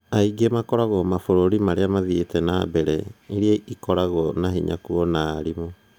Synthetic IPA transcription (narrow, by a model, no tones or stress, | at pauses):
aiɡemakɔɾaɣɔmafoɾoɾimaɾeamaðietɛnabɛɾɛ̰eɾiaikɔɾaɣɔnaɦiɲa̰kuɔnaːɾimo